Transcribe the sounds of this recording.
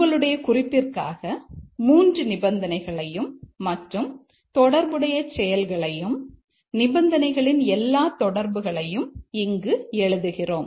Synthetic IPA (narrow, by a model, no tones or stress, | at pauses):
ɡɐɭɯɽɐjɐkʊrɪpːɪrka̰ːɣɐmuːndrɯnɪbɐnd̪ɐnɐɪɣɐɭɐjɯmːɐʈrɯm | t̪ɔɽɐɾbɯɽɐjɐt͡ʃɛjɐlɣɐɭɐjɯm | nɪbɐnd̪ɐnɐɪɣɐɭɪnɛlːaːt̪ɔɽɐɾbɯɣɐɭɐjɯmɪŋɡɯɛɭɯðɯɣɪroːm